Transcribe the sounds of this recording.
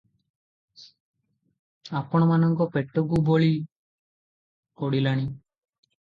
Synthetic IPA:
apɔɽ̃ɔmanɔŋkɔpeʈːɔkuboɭi | koɽilaɽ̃i

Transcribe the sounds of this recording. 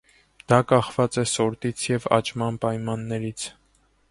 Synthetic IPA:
d̪̥ɑkɑχvɑt͡sɛsɔɾt̪it͡sʰjɛvɑ̰t͡ʃmɑnpɑjmɑnːɛɾit͡sʰ

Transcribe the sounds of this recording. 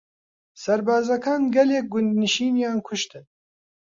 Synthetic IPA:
sɐɾbɑːzɐkɑːnɡɛleːk̚ɡʊnd̪nɨʃiːnjɑːnkʰʊʃt̪ɨn

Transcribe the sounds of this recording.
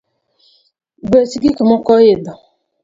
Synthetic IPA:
besiɡikimɔkɔjedɔ

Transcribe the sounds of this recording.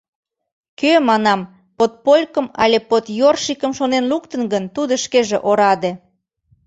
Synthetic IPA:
kømɑnɑm | pot̪̚polʲkə̆mɑ̰lʲepot̪jorʃikəmʃonenlukt̪ənɡənt̪ud̪ŏʃkeʒeʔoɾɑd̪e

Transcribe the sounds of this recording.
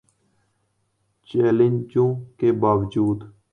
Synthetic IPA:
t͡ʃeːlɪnd͡ʒõːkeːbaːʋd͡ʒuːd̪

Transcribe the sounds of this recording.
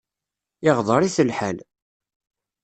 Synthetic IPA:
ɪʁðˤəɾiθəlħəl

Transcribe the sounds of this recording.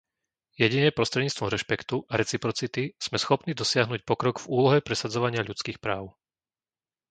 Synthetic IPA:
jɛɟinɛpɾɔst̪ɾɛd̪ɲiːt͡st̪ʋɔmɾɛʃpɛkt̪uʔaɾɛt͡sipɾɔt͡sit̪iz̥mɛsxɔpniːd̪ɔsɪaɦnuːc̚pɔkɾɔɡvuːlɔɦɛpɾɛsad͡zɔʋaɲɪaʎut͡skiːxpɾaːʊ

